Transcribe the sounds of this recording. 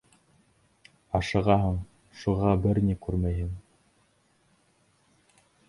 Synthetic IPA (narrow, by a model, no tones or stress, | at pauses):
ɑʃɤ̆ʁɑɦɤɴ | ʃuʁɑbɘɾnʲikʉɾmæjɦɘŋ